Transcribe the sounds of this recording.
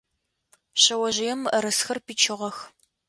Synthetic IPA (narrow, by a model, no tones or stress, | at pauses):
ɕɐwɐʒɪjɛmɾɐsxɐrpiːt͡ʃʰɪʁɐx